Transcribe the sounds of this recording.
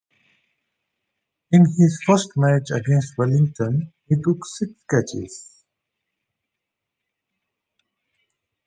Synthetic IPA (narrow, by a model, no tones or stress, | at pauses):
ɪ̃nɪzfəsʈmæt͡ʃə̰ɡẽnsʈwɛlɪ̃ŋʈə̃nhiʈʊksɪkskæt͡ʃɪ̰z̥